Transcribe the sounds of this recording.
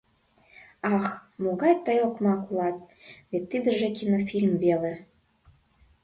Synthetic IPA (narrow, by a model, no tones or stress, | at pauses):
ɑxmoɣɑjt̪əjokmɑkulɑt̪̚ | βet̪ːid̪ə̆ʒĕkinofʲilʲmvele